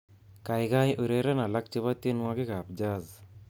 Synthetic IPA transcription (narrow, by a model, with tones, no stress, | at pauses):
ka˨jka˦jʔu˨ɾɛ˦ɾɛ˦na˨la˦k̚t͡ʃe˦βa˦t̪je˦nwa˦kɪ˦ka˨p̚d͡ʒa˦z